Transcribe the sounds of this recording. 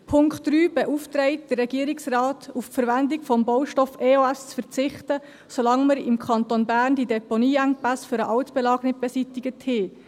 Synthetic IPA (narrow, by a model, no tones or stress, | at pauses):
pʰʊŋkχtːɾyːb̥ɛʔuft̪ɾɛɪt̚d̥ərːɛɡiəɾɪksrɑːtuffəɾvændɪɡfɔmbowʃtɔfeːoæst͡sfəɾt͡sɪχtə | solɑŋməɾɪmkʰχɑnt̪onbæːɾnd̥idɛponiːæŋpæsfʏɾəʔɑwtb̥ɛlɑːɡnət̚b̥ɛsitɪɡəthɪː